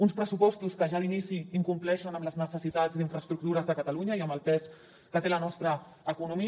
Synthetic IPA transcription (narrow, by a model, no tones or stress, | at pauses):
unspɾəsupɔst̪uskəʒaðinisiiŋkumplɛʃənəmləznəsəsit̪ad͡zd̪iɱfɾəst̪ɾuk̚t̪uɾəzðəkət̪əluɲəiəmbəlˠpɛs | kət̪elənɔst̪ɾəː | kunumi